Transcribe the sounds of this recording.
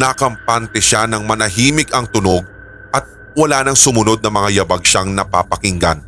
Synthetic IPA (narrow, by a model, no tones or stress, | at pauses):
nakɐmpant̪ɛʃanɐŋmɐnɐɦiːmɪɡɐŋt̪ʊno̞ɡ̚ | ʔɐt̪̚ | wɐlaːnɐŋsʊmʊno̞d̪̚nɐmɐŋajɐbɐɡ̚ʃaŋnɐpa̰ːpɐkɪŋɡan